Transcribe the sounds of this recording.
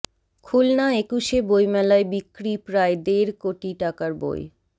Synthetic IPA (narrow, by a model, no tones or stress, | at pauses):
kʰulnaekuʃebojmɛlaebikːɾipɾaed̪eɾkoʈiʈakaɾbo̰j